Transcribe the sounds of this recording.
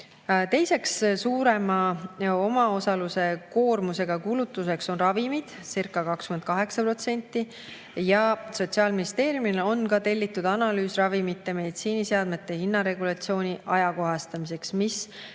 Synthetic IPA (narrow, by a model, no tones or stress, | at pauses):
t̪e̞jse̞kssuːɾe̞mɑo̞mɑo̞sɑluse̞ko̞ːrmuse̞ɡ̥ɑkulut̪ːˑuse̞kso̞nrɑvimid̪̥sirkːˑɑkɑkskymend̪kɑɦe̞ksɑpro̞t̪se̞nʲt̪ːˑi | jɑso̞t̪ʲsiɑlminist̪e̞ːɾjumino̞nkɑt̪e̞lʲːit̪ːˑud̪̥ɑnɑlyːsrɑvimit̪ːˑeme̞d̪it̪siːniseɑd̪̥me̞t̪ːˑe̞hinːɑɾe̞ɡ̥ulɑt̪sio̞ːnʲiʔɑjɑko̞ɦɑst̪ɑmise̞ksmis